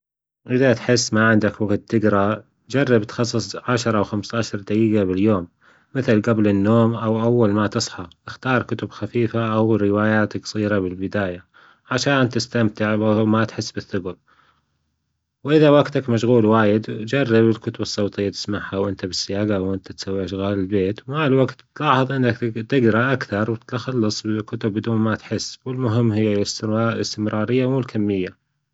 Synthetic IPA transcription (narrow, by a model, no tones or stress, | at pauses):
ʔɪðat̪ħɪsːmaʕɪnd̪akwaɡt̚t̪ːɪɡɾˤɑ | d͡ʒɑrˤːɑbt̪xɑsˤːɨsˤʕaʃɑɾˤɑwxamst̪aːʃɑɾˤd̪aɡiːɡabɪljoːmː | ɪθɪlɡablɪnːoːmʔawʔawːalmat̪ɨsˤħɑʔɪxt̪ɑːɾˤkʊt̪ʊbxafiːfaʔawɾɪwaːjaːt̪ksˤiːɾabɪlbɪd̪aːja | ʕaʃaːnt̪ɪst̪amt̪ɪʕwamat̪ħɪsːbɪθːʊɡɾ | wʔɪðawaɡt̪akmaʃɣuːlwaːjɪd̪d͡ʒarˤːɑbɪlkʊt̪ʊbɨsˤːowt̪ˤɨjːat̪ɪ̥smaʕhawʔɪnt̪abɪsːɪjaːɡaawʔɪnt̪at̪sawːiʃɣaːlɪlbeːt̪malwaɡt̪ːlɑːħɑðˤʔɪnːakt̪ɪɡɾˤɑʔakθɑɾˤwt̪xɑlːɑsˤbɪkʊt̪ʊbːɪd̪uːnmat̪ħɪsːwɪlmʊɦɪmːɦɪjːɪslɪst̪ɪmɾɑːɾɪjːamuːlkʰamːɪjːa